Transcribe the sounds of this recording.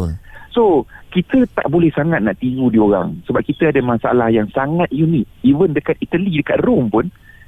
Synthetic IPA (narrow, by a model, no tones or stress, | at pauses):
sokit̪ət̪a̰ʔbolɛhsaŋat̪̚naʔt̪iɾudioɾa̰ŋsəbap̚kit̪əadamasaa̰lahjaŋsaŋat̪̚junit̪̚ivəndəkat̪̚it̪əlidəkat̪̚rʊmpʊn